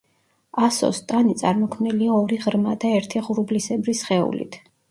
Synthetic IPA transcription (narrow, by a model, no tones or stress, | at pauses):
asɔ̰st̪ʼanit̪sʼaɾmɔkʰmnɛliaɔɾiʁɾmad̪aɛɾt̪ʰiʁuɾublisɛbɾisχɛṵlḭt̪ʰ